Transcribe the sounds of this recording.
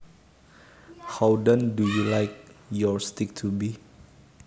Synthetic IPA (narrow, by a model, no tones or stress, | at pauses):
hawdə̃ndujulajk̚jɔɹst̪ɪk̚tʰubi